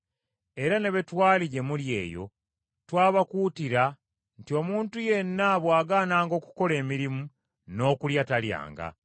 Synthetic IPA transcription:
e̞ɾane̞βe̞twaːliɟe̞mulje̞̰ːjo̞̰ | twaːβakuːtiɾa | ntio̞ːmuːntuje̞nːaβwaːɡaːnaːŋɡo̞ːku̥ko̞le̞ːmiɾimu | no̞ːkuljatalja̰ːŋɡa̰

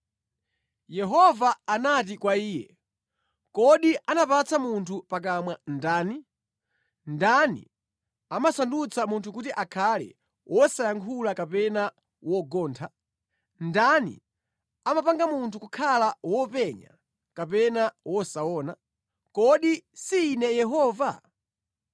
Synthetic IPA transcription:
jɛɦɔvaːnat̬ikwaiːjɛ | kɔɗiʔanapat͡sʰamuntʰupak̬amwandaːni | ndanḭ | amasandut͡sʰamuntʰukutiʔakʰalɛ̰ | wʔɔsajaŋkʰulakapɛna | wɔɡɔːntʰa | ndanḭ | amapaŋɡamuntʰukukʰalawɔpɛɲa̰ | kapɛnawɔsaɔːna̰ | kɔɗisiːnɛjɛɦɔːva

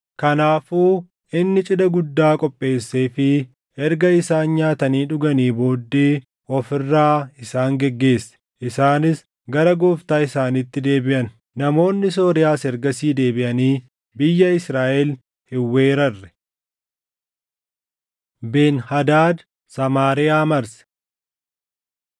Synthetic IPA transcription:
kɐnaːfuː | ʔɪnːɪt͡ʃʼɪd̪ɐɡʊd̪ːaːkʼɔpʼːe̞ːsːeːfɪ | ɛɾɡɐɪsaːnɲaːt̪ɐniːᶑʊɡɐniːbo̞ːd̪ːeː | ʔɔfɪrːaːɪsaːŋɡɛɡːe̞ːsːɛ̥ | ʔɪsaːnɪs | ɡɐɾɐɡoːft̪aːɪsaːniːt̪ːɪd̪e̞ːbɪʔɐn | nɐmo̞ːnːɪs̬o̞ːɾɪjaːsɛɾɡɐsiːd̪e̞ːbɪʔɐniː | bɪjːɐɪsɾaːʔɛl | hɪwːeːɾɐrːɛ̥ | beːnhɐd̪aːd̪ | sɐmaːɾɪjaːmɐɾsɛ̥

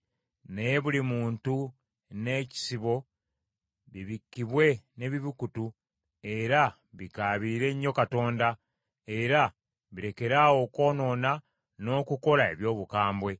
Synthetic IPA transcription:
neje̞βulimuːntu | ne̞ːci̥siβo̞ | βiβikːiβwe̞ne̞βiβikutu | e̞ɾa | βikaːβiːɾe̞ɲːo̞kato̞ːnda | e̞ɾa | βiɾe̞ke̞ɾawo̞ko̞ːno̞ːna | no̞ːkuko̞lae̞̰βjo̞ːβukaːmbwe̞

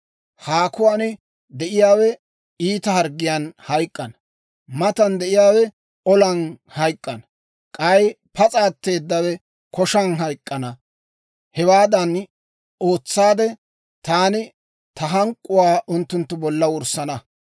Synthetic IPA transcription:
haːkʊwaːnɪ | d̪ɛʔɪjaːwɛ | iːt̪ɐhɐɾɡːɪjɐnhɐjkʼːɐnɐ | mɐt̪ɐnd̪ɛʔɪjaːwɛ | ɔlɐnhɐjkʼːɐnɐ | kʼɐj | pʰɐt͡sʼaːt̪ːe̞ːd̪ːɐwɛ | kɔʃɐnɦɐjkʼːɐnɐ | hɛwaːd̪ɐn | o̞ːt͡sːaːd̪ɛ | t̪aːnɪ | t̪ɐɦɐŋkʼːʊwaːʔʊnt̪ːʊnt̪ːʊbɔlːɐwʊɾsɐnɐ

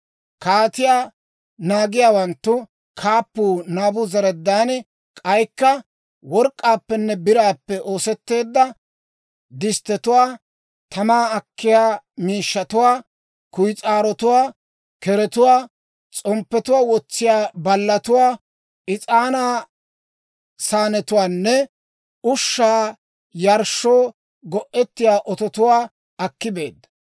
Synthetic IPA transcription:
kaːt̪ɪjaː | naːɡɪjaːwɐnt̪ːʊ | kʰaːpːuːnaːbʊzɐɾɛd̪ːaːnɛ | kʼɐjkːɐ | wɔɾkʼːaːpːɛnːɛbɪɾaːpːɛʔo̞ːsɛt̪ːe̞ːd̪ːɐ | d̪ɪst̪ɛt̪ʊwaː | t̪ɐmaːɐkːɪjaːmiːʃːɐt̪ʊwaː | kʊjt͡sʼaːɾɔt̪ʊwaː | kɛɾɛt̪ʊwaː | t͡sʼɔmpːɛt̪ʊwaːwɔt͡sːɪjaːbɐlːɐt̪ʊwaː | ɪt͡sʼaːnaː | saːnɛt̪ʊwaːnːɛ | ʊʃːaː | jɐɾʃːoː | ɡɔʔɛt̪ːɪjaːʔɔt̪ɔt̪ʊwaː | ɐkːɪbe̞ːd̪ːɐ̥

